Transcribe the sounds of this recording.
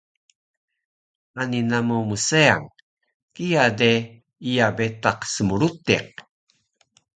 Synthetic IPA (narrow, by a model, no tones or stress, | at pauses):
aninamumusea̰ŋ | kijade | ijabet̪aqsəmuɾut̪ḭq̚